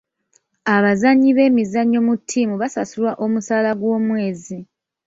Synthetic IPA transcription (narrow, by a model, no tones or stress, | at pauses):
aβazaɲːiβe̞ːmizaɲːo̞mutʰːiːmuβasasulwaʔo̞musaːlaɡwo̞ːmwe̞ːzi